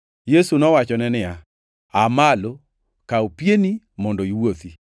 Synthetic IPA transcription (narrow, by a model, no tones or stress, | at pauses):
jesunɔwat͡ʃɔnɛnɪja | amalo | kaopjeni | mɔndɔiwot̪i